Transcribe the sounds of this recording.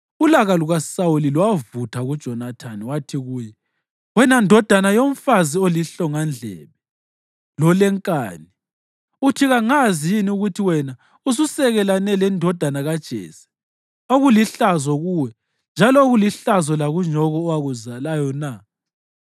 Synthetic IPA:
ulaɣaluɣasawuliluwavutʰaɣud̥ʒ̥ʱɔnatʰaniwatʰiɣuːjɛ | wɛnandʱɔd̥ʱanajoɱfazioliɬɔŋand͡ɮʱɛ̰βɛ | lɔlɛŋkʼaːni | utʰiɣaŋazijiniuɣutʰiwɛna | us̬usɛɣɛlanɛlɛndʱɔd̥ʱanaɣad̥ʒ̥ʱɛ̰ːsɛ̥ | oɣuliɬazɔɣuwɛ | nd͡ʒʱalɔoɣuliɬazɔlaɣuɲɔɣɔːwaɣuzalajɔna

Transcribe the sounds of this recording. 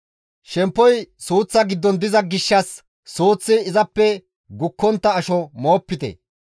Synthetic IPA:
ʃɛmpːɔjsuːt͡sːɐɡɪd̪ːɔnd̪ɪzɐɡɪʃːɐsː | uːt͡sːɪːzɐpːɛ | ɡʊkːɔnt̪ːɐːʃɔmo̞ːpːɪt̪ɛ̰

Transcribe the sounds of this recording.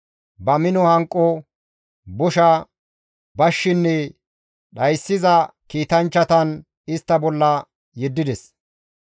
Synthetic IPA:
bɐmɪnɔhɐŋkʼːɔ | bʊʃɐ | bɐʃːɪnːɛ | ɗɐjsːɪzɐkiːt̪ɐnt͡ʃːɐt̪ɐn | ɪst̪ːɐbɔlːɐ | jɛd̪ːɪd̪ɛs

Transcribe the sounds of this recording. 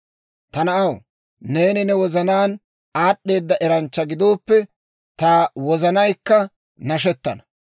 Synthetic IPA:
t̪ɐnɐʔɐw | ne̞ːnɪnɛwɔzɐnaːn | aːɗːe̞ːd̪ːɐʔɛɾɐnt͡ʃːɐɡɪd̪o̞ːpːɛ | t̪ɐwɔzɐnɐjkːɐ | nɐʃ̬ɛt̪ːɐ̰nɐ̥

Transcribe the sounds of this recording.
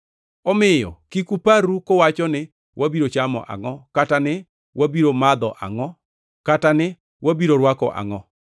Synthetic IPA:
ɔmɪjɔ̰kikupaɾukowat͡ʃɔnɪ | wabiɾot͡ʃamɔ̰ʔa̰ŋɔkatanɪ | wabiɾomad̪ɔʔa̰ŋɔ | katanɪ | wabiɾoɾwakɔ̰ʔa̰ŋɔ

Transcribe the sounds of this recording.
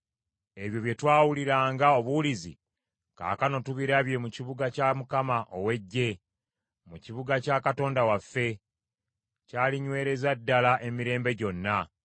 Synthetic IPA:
e̞βjo̞βje̞twaːwuliɾaːŋɡao̞βulizḭ | ka̰ːkano̞tuβiɾaβje̞muciβuɡacamukamaʔo̞we̞ɟːe̞ | muciβuɡacaːkato̞ːndawafːe̞ | caːliɲwe̞ːɾe̞zadːalaʔe̞miɾe̞ːmbe̞ɟo̞nːa

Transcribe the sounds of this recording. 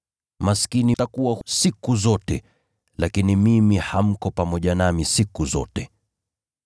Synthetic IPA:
maskinitakuwasikuzɔtɛ | lakinimimiham̩kɔpamɔʄanamisikuzɔ̰tɛ

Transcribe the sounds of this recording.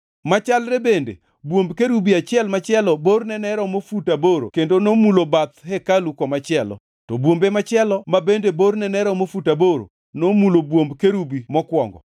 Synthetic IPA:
mat͡ʃalɾɛbendḛ | bwombkeɾubiat͡ʃɪɛlmat͡ʃɪɛlɔbornɛnɛɾɔmofutaboɾo̰kendonomulobat̪ɦɛkalukɔmat͡ʃɪɛlɔ̰ | tɔbwombemat͡ʃɪɛlɔmabendebornɛnɛɾɔmofutaboɾo̰ | nomulobwombkeɾubimɔkwɔ̰ŋɡɔ̰

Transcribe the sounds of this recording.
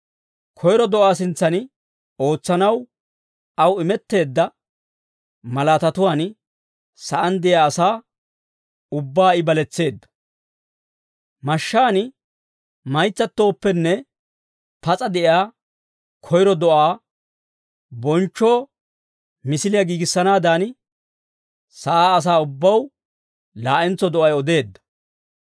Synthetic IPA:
kʰɔjɾɔd̪ɔʔaːsɪnt͡sːɐnɪ | o̞ːt͡sːɐnɐw | ɐwɪmɛt̪ːe̞ːd̪ːɐ | mɐlaːt̪ɐt̪ʊwaːn | sɐʔɐnd̪ɛjaːsaː | ʊbːaːɪbɐlɛt͡sːe̞ːd̪ːɐ̥ | mɐʃːaːnɪ | mɐjt͡sːɐt̪ːo̞ːpːɛnːɛ | pɐt͡sʼɐd̪ɛʔjaː | kʰɔjɾɔd̪ɔʔaː | bɔnt͡ʃːo̞ː | mɪsɪlɪjɐɡiːɡɪsːɐnaːd̪aːn | sɐʔaːs̬aːʊbːɐw | laːʔɛnt͡sːɔd̪ɔʔɐjɔd̪e̞ːd̪ːɐ̥

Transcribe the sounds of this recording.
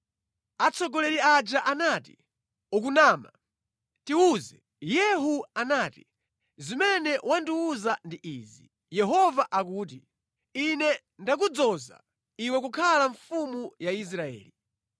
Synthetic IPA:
at͡sʰɔɡɔlɛɾiad͡ʒaʔanatḭ | uk̬unaːma | tiwuːzɛ | jɛɦuanaːti | zimɛnɛwandiwuzandiʔiːzi | jɛɦɔvaʔakuːt̬i | inɛ | ndak̬ud͡zɔza̰ | iwɛkukʰalaɱfumujais̬ɾaɛ̰ːli

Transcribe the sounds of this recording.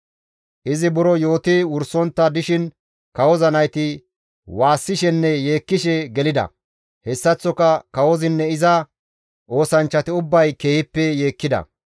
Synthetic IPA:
ʔɪzɪbʊɾɔjo̞ːt̪ɪwʊɾsɔnt̪ːɐd̪ɪʃɪn | kɐwɔzɐnɐjt̪ɪ | waːsːɪʃɛnːɛjeːkːɪʃɛɡɛlɪd̪ɐ̰ | hɛsːɐt͡sːɔkɐkɐwɔzɪnːɛɪzɐ | ʔo̞ːsɐnt͡ʃːɐt̪ɪʊbːɐjke̞ːhɪpːɛje̞ːkːɪd̪ɐ̰

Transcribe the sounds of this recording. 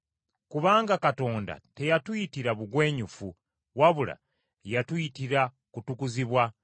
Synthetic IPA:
kuβaːŋɡakato̞ːnda̰te̞jatuitiɾaβuɡwe̞ːɲufu | waβula̰ | jatwuitiɾa | kutukuziβwa

